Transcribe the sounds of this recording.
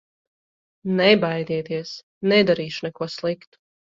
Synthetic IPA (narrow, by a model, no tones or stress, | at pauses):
nɛbajd̪iɛt̪iɛs | nɛd̪aɾiːʃunɛkuɔslˠikt̪u̥